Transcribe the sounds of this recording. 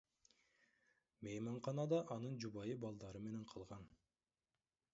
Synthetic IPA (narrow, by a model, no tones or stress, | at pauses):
mejmɑɴqʰɑnɑd̪ɑʔɑnɯnd͡ʒubɑjɯbɑlˠd̪ɑɾɯme̞ne̞ɴqʰɑlˠʁɑn